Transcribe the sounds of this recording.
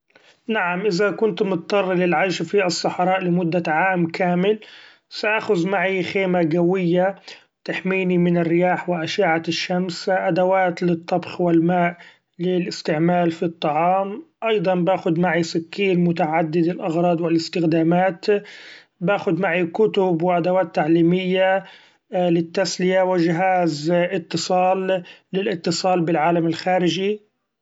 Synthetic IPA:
naʕamʔɪzakʊnt̪mʊt̪t̪ˤːɑrˤːlɪlʕaʃfiʔɑsˤːɑħɾˤɑːʔlɪmʊd̪ːaʕaːmkʰaːmɪl | saʔaːxʊzmaʕixeːmaɡawɪjːa | t̪aħmiːnimɪnɪrːɪjaːħwɪʔaʃaːʕaʃːamsʔad̪awaːt̪lɪt̪ˤːɑbxwɪlmaːʔ | lɪlʔɪst̪ɪʕmaːlfit̪ˤːɑʕɑːmʔɑjd̪ˤɑnbaːxʊd̪maʕisɪkːiːnmʊt̪aʕad̪ːɪd̪ɪlʔɑɣɾˤɑːd̪ˤwɪlɪst̪ɪxd̪aːmaːt̪ | baːxʊd̪maʕikʊt̪ʊbwɪʔad̪awaːt̪ːaʕliːmɪjːa | lɪt̪ːaslɪjawɪʒɪɦaːzɪt̪ːɨsˤɑːlːɪlʔɪt̪ːɨsˤɑːlbɪlʕaːlamɪlxaːɾɪʒi

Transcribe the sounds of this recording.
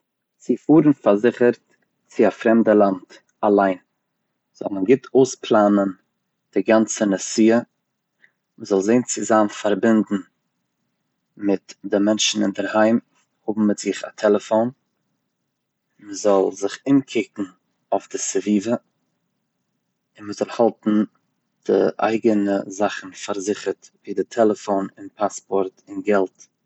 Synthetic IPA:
z̥ɪfuːɾn̩faɾzɪχəɾt | t͡sɪafɾɛmdəlˠant | alˠaɪn | z̥ɔ̰lˠmənɡɪtʰoʊsplˠaːnən | d̥ɪɡant͡sənəsiːə | məzɔlˠzeɪnt͡sɪzaːmfaɾbɪndn̩ | mɪtdɪmɛnʃn̩ɪndəɾhaɪm | hʊbm̩mɪtz̥ɪχa̰tʰɛlˠəfoʊn | məzɔlˠzɪχɪnkʰɪkŋ̩ | aʊfdɪsəviːvə | ɪnməzɔlˠhalˠtn̩ | d̥ɪ̰ʔa̰ɪɡənəzaχn̩faɾzɪχəɾtviːdɪtʰɛlˠəfoʊnɪnpʰaspɔɾtɪnɡɛlˠt

